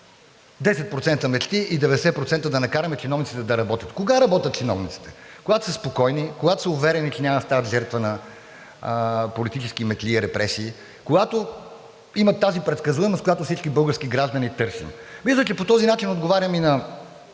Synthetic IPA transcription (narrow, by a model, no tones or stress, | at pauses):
d̪ɛsɛt̪̚pɾot̪sɛnt̪əmɛt͡ʃt̪iid̪ɛvɛd̪ɛsɛpɾot̪sɛnt̪əd̪ɐnɐkaɾɐmɛt͡ʃɛnɔvnit̪sit̪ɛd̪ɐɾɐbɔt̪ʲə̥t̪koɡaɾɐbɔt̪ʲɐt̪̚t͡ʃɛnɔ̰vnit̪si̥t̪ɛ̥koɡat̪o̥səspokɔjnikoɡat̪o̥səʊvɛɾɛnit͡ʃɛnʲamɐst̪avət̪ʒɛɾt̪vənɐ | polit̪it͡ʃɛsk̟imɛt̪liɾɛpɾɛsiː | koɡat̪o | imɐt̪ːazipɾɛt̪skɐzuvɛməst̪kojat̪ofsit͡ʃkibɤlˠɡəɾskiɡɾaʒd̪ɐnit̪ɤɾsḭmmislət͡ʃɛpot̪ɔzinat͡ʃinod̪ɡovaɾʲəminɐ